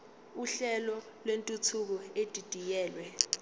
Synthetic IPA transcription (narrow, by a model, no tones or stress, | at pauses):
uɬɛlɔ | lwentʼut͡sʰuk̬ɔed̥ʱid̥ʱijɛːlwɛ